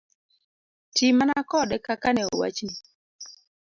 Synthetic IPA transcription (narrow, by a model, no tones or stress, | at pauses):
timanakɔdɛkakanɛo̰wa̰t͡ʃni